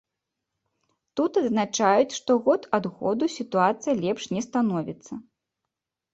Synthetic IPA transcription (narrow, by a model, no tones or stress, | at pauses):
t̪ut̪ɐd̪znat͡ʂajut͡sʲʂt̪ɔɣɔt̪ʰad̪ɣɔ̰d̪usʲit̪uat̪sɨjɐlʲɛpʂnʲɛst̪anɔvʲit̪sːɐ